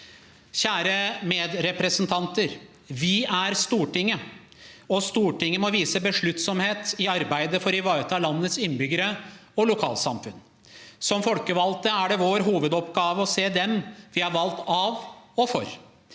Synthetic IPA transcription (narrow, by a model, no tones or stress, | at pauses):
çæːɾəmeːd̪ɾɛpɾəsənt̪ʰɑnt̪əɾ | ʋɪæɾst̪uːʈɪŋːə | ɔst̪uːʈɪŋːəmɔʋiːsəbəʂɭʉt̪ːsɔmheːt̪ɪɑɾbæɪd̪əfɔɾɪʋɑːt̪ʰɑːlɑnːət̪sɪnːbʏɡəɾəɔlʊkʰɑːlsɑ̰mfʉn | sɔmfɔlkəʋɑlt̪əæɖɛʋoːɾɦuːʋəd̪ɔpɡɑːʋəɔseːd̪ɛmʋɪhɑɾʋɑlt̪ɑʋɔfɔ̰ɾ